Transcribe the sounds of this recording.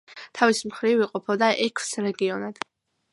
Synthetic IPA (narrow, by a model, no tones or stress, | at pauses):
t̪ʰavismχɾiviqʼɔpʰɔd̪aʔɛkʰsɾɛɡiɔnad̪̥